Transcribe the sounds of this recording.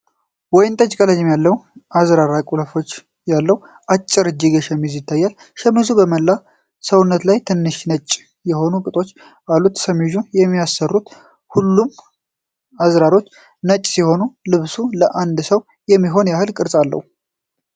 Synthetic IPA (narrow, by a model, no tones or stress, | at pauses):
wɔjɪnt̪ʼət͡ʃkʼələd͡ʒɪmjalːəwʔazɾaɾakʼuləfo̞t͡ʃː | jalːəw | ʔat͡ʃʼːɪɾɨd͡ʒɪɡəʃɛmizjɪt̪ʰːajːal | ʃɛmːɨzubəməlːa | səwʊnːət̪lajt̪ʰɨnːɨʃnət͡ʃʼː | jɛho̞nukʼɨt̪ʼo̞t͡ʃː | alːut̪səmiʒujɛmːiasːərːut̪ | hulːum | azɾaɾo̞t͡ʃː | nət͡ʃʼːsiho̞nulɨβsuləʔand̪səw | jɛmːiɦo̞njahɨlkʼɨɾsʼalːə̰hu